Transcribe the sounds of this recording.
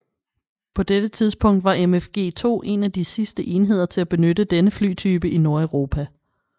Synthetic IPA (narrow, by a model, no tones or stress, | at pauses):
pʰɒ̽d̥ed̥ət͡sʰið̞ˠsb̥ʰɔ̽ŋ̰d̥ʋɑ̈ʔemefɡ̥e̝̰ːt͡sʰo̝̰ːʔe̝næd̥isisd̥əʔe̝ːniɦe̝ð̞̰ˠɐt͡sʰe̝læb̥e̝nød̥əd̥enəfly̰ːt͡sʰyːb̥əʔino̝ɐeʊʁo̝ːpʰæ